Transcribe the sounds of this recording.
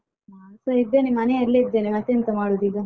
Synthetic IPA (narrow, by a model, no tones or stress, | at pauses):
asoid̪ːenimɐneɐɾlːed̪ːenemɐt̪ːjɐnt̪ɐmaːɽud̪iɡ̪ɐ